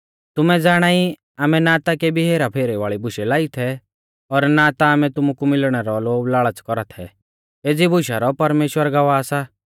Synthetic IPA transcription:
t̪ʊmɛd͡zaːɽ̃aːi | aːmɛnaːt̪akebʱiɦeːɾapʰeːɾɛʋaːɭibʱʊʃɛlaːit̪ʰɛ | ɔɾnaːt̪aːmɛt̪ʊmukumɪlɽ̃ɛɾɔloːblaːɭət͡skɔɾat̪ʰɛ̰ | eːd͡zibʱʊʃaɾɔpɐɾmeːʃwəɾɡɐʋaːsa

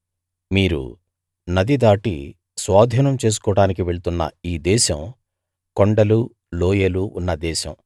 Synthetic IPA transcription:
miːɾṵ | nɐd̪id̪aːʈḭ | sʋaːd̪ʱiːnɐmt͡ʃe̞ːs̬u̥kɔːɽaːnikiʋe̞ɭut̪unːɐ̰iːd̪ɛːʃɐm | koɳɖɐlu | loːjeluunːɐd̪ɛːʃɐ̰m

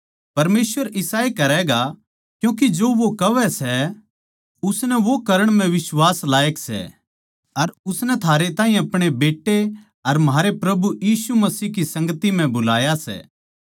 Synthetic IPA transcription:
pɐɾmeːsʋəɾɪsaːekɐɾɛːɡa | kjũːk̬id͡ʒoːʋokɐʋɛsɛ | ʊsnɛʋokɐɾəɽ̃m̤ɛ̃ʋɪswaːslaːjəksɛ̰ | ɐɾʊsnɛt̪ʰaːɾet̪ãːɦĩɐpɽ̃ebeːʈːe | ɐɾmɦaːɾepɾɐbujiːsumɐsiːɦkisɐ̃ŋɡət̪im̤ɛ̃bʊlaːjasɛ̰ː

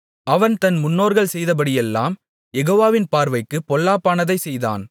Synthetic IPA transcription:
ʔɐʋɐnt̪ɐnmʊnːoːɾɣɐɭsɛjðɐp̬ɐɽɪjɛlːa̰ːm | jɛɣoːʋaːʋɪnpaːɾʋɐɪkːɯpɔlːaːpːaːnɐðɐɪsɛjða̰ːn

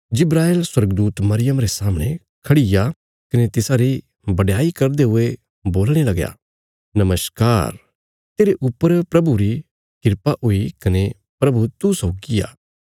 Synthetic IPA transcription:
d͡ʒɪbɾaːeːlswɐɾɡd̪uːt̪mɐɾɪjəmɾesaːmɽ̃ẽ | kʰɐɽɪja | kɐnet̪ɪsaːɾi | bɐɽjaːikɐɾd̪eɦʊe | boːlɽ̃elɐɡja̰ː | nɐməskaːɾ | t̪eːɾeʔʊpːəɾpɾɐbuɾi | kɪɾpaʔɦoikɐne | pɾɐbut̪usɔːɡɪja̰ː

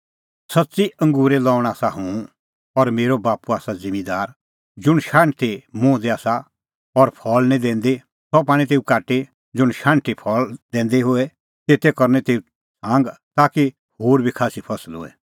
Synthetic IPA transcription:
sɐtːsiɐ̃ŋɡuːɾelɔːʊɽ̃aːsaɦũ | ɔɾmeːɾobaːpuaːsad͡zɪ̃mid̪aːɾ | d͡zʊɽ̃ʃãːɳʈt̪emʊ̃ːd̪eaːsa | ɔɾpʰɔːlnĩd̪ɛ̃ːnd̪e | sɔp̬aːɽ̃ĩt̪eːukaːʈe | d͡zʊɽ̃ʃãːɳʈipʰɔːld̪ɛ̃ːnd̪eɦʊɛ | t̪eːt̪ɛkɐɾnɛt̪eːu | sãːŋɡt̪aːki | hoːɾbʱikʰaːsipʰɐsəlɦʊ̰ːɛ̰

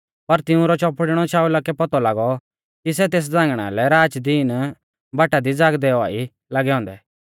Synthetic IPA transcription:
pɐɾt̪ɪũɾɔt͡ʃɔpɽɽ̃ɔt͡ʃaːulakɛpɔt̪ɔlaːɡɔ | kisɛt̪eːs̬d͡zãːŋɡɽ̃a̰lɛɾaːt͡ʃd̪iːn | baːʈad̪id͡zaːɡd̪ɛɔa̰ːi | laɡɛɦɔ̃ːnd̪ɛ

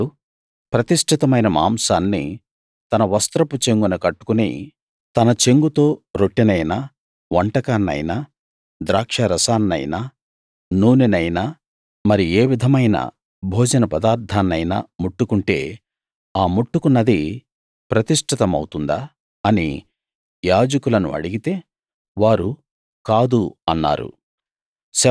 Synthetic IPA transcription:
u | pɾɐt̪iʂʈʰit̪ɐmɐjnɐma̰ːmsaːnːḭ | t̪ɐnɐʋɐst̪ɾɐput͡ʃe̞ŋɡunɐkɐʈːu̥kunḛ | t̪ɐnɐt͡ʃe̞ŋɡut̪o̞ːɾoʈːinɐjna | ʋɐɳʈɐkaːnːɐ̰jnaː | d̪ɾaːkʂɐɾɐsaːnːɐ̰jna | nuːninɐjna | mɐɾie̞ːʋid̪ʱɐmɐjnɐ̰ | bʱoːd͡ʒɐnɐpɐd̪aːɾt̪ʰaːnːɐjna̰muʈːukuɳʈe̞̰ː | aːmuʈːukunːɐd̪i | pɾɐt̪iʂʈʰit̪ɐmɐ̰wt̪und̪aː | ɐnḭ | jaːd͡ʒɐkulɐnṵɐ̰ɽiɡit̪e̞ː | ʋaːɾu | kaːd̪uɐnːa̰ːɾṵ | sɐ

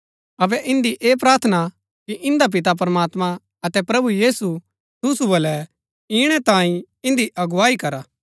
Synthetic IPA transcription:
ɐbɛʔɪ̃nd̪iʔeːpɾaːɾt̪ʰəna | kiʔɪ̃nd̪ap̬ɪt̪ap̬ɐɾmaːt̪mã | ɐt̪ɛpɾɐbujiːsu | t̪ʊsubɐlɛ | iːɽ̃ɛt̪ãːĩ | ɪ̃nd̪iʔɐɡʊʋaːikɐɾaː

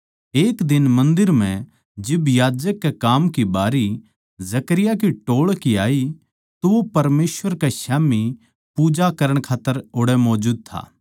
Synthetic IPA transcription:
eːkd̪ɪnmɐ̃nd̪ɪɾm̤ɛ̃ | d͡ʒɪbjaːd͡ʒəkːekaːmkibaːɾi | zɐkəɾɪjak̬iʈoːɭkiaːi | t̪oʋopɐɾmeːsʋəɾkaʃaːmi | puːd͡ʒakɐɾəɽ̃kʰaːt̪ːəɾʊɽɛmɔːd͡ʒuːd̪̚t̪ʰa̰ː

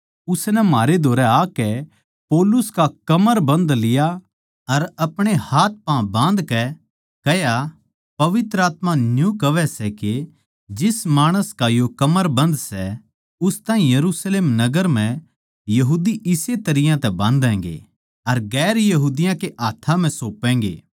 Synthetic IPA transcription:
ʊsnɛmaːɾed̪ʱoːɾɛaːkɛ | poːlʊskakɐməɾbɐ̃nd̪lɪja | ɐɾɐpɽ̃ehaːt̪̚ʰpãbãːnd̪kɛ | kɐja | pɐʋɪt̪ɾəaːt̪mãnjũkɐʋɛsɛke | d͡ʒɪsmaːɽ̃əskajokɐməɾbɐ̃nd̪sɛ | ʊst̪ãːĩjɐɾuːsleːmnɐɡəɾm̤ɛ̃ | jɐɦuːd̪iʔɪset̪ɐɾɪjãt̪ɛbãːnd̪ɛ̃ːŋɡḛ | ɐɾɡɛːɾjɐɦuːd̪ɪjãkeʔaːt̪ʰãm̤ɛ̃soːpːɛ̃ːŋɡḛː

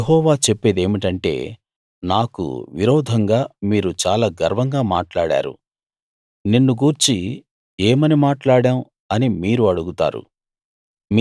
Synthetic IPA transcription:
ɦɔːʋaːt͡ʃepːe̞ːd̪e̞ːmiʈɐɳʈe̞̰ː | naːkṵʋḭɾɔːd̪ʱɐŋɡaːmiːɾut͡ʃaːlaːɡɐɾʋɐŋɡaːmaːʈlaːɽa̰ːɾṵ | ninːuɡuːɾt͡ʃi | ɛːmɐnimaːʈlaːɽaːw | ɐnimiːɾuɐɽuɡut̪a̰ːɾṵ | m

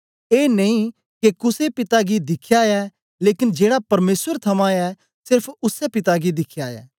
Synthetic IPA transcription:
eːneĩ | kekʊsepɪt̪aɡid̪ɪkʰːjaɛ | leːkɪnd͡ʒeːɽapɐɾmeːswəɾt̪ʰɐmãɛ | sɪɾpʰʊsɛpɪt̪aɡid̪ɪkʰːjaːɛ̰ː

